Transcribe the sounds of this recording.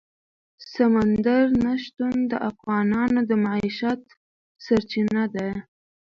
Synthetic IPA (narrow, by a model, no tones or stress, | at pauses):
samand̪aɾnaʃt̪und̪əʔafɣɑnɑnod̪əmaʕiʃat̪ | saɾt͡ʃinad̪aj